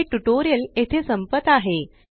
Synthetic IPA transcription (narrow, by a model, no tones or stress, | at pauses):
ʈuʈoɾijəlet̪ʰesəmpət̪aɦe